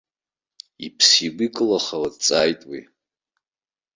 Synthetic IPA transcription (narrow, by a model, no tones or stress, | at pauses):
ipʰsiɡʷikʼɨlaχawadt͡sʼajtʼwi